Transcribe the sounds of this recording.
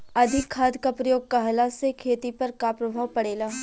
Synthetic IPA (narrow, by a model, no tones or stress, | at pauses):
ɐd̪ʱɪkʰːaːd̪kːapɾɐjoːɡ̚kɐɦlasekʰeːt̪ipɐɾkapɾɐbʱaːʋpɐɽeːlaː